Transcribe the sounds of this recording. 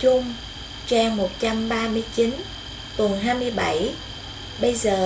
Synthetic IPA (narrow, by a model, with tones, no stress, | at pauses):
t͡ɕʊ˧ŋ͡m | t͡ɕɛ˧ŋmo˨˩t̚t͡ɕa˧mɓaː˧mɨ˧əjt͡ɕi˨˦n | t̪wə˨˩nɦaː˧jmɨ˧əjɓa˧˩j | ɓə˧jzəː˨˩